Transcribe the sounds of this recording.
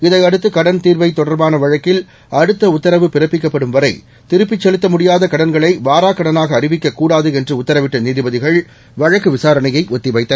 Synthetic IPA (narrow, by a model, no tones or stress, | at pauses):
ɪðɐɪɐɽɯt̪ːɯkɐɽɐnt̪iːɾʋɐɪt̪ːɔɽɐɾbaːnɐʋɐɻɐkːɪl | ɐɽɯt̪ːɐʊt̪ːɐɾɐʋɯpɪɾɐpːɪkːɐpːɐɽɯmʋɐɾɐɪ | t̪ɪɾɯpːɪt͡ʃːɛlɯt̪ːɐmʊɽɪjaːðɐkɐɽɐnɡɐɭɐɪʋaːɾaːkːɐɽɐnaːɣɐːɾɪʋɪkːɐkːuːɽaːðɯɛndrɯʊt̪ːɐɾɐʋɪʈːɐniːðɪbɐðɪɣɐɭ | ʋɐɻɐkːɯʋɪsaːɾɐnɐjɐɪʔɔt̪ːɪʋɐɪt̪ːɐ